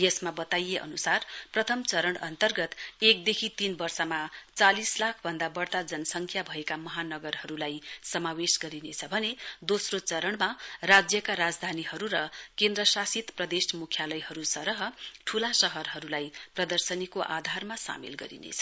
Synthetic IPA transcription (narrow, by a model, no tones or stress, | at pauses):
jʌsmabʌt̪ajeʔʌ̰nusarprʌt̪ʰʌmt͡sʌɾʌɳʌ̰nt̪ʌrɡʌt̪ek̚d̪ekʰit̪inbʌrsʌmat͡salislakʰbʱʌnd̪abʌrt̪ad͡zʌnʌsʌŋkʰjabʱʌekamʌɦanʌɡʌrɦʌɾulajsʌmawesɡʌɾinet͡sʰʌbʱʌned̪osrot͡sʌɾʌɳmarad͡zjʌkaɾad͡zd̪ʱanihʌɾuɾʌkend̪rʌsasit̪prʌd̪esmukʰjalʌjɦʌɾusʌɾʌɦʌʈʰulasʌɦʌrɦʌɾulajprʌd̪ʌrsʌnikoʔa̰d̪ʱarmasa̰mḛlɡʌ̰ɾḭnḛt͡sʰʌ̥